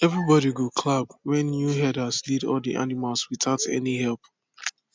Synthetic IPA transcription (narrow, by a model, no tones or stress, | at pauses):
ɛvɹibɔɾiɡokʰlab̚wɛ̃nːjuɦɛdasdidɔ̰ldiʔa̰nimalˠswiθaʊtɛ̰niɦɛlˠp